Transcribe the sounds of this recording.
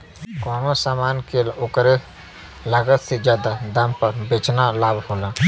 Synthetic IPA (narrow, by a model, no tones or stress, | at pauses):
kɔːmosaːmaːnkeokɾe | laɡət̪sed͡ʒjaːd̪ad̪ampəɾbeːt͡ʃnalaːbhoːla